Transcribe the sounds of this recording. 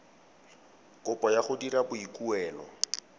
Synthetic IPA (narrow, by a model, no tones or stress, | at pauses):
kʊpɔjaχʊdiɾabʊikuɛːlɔ̰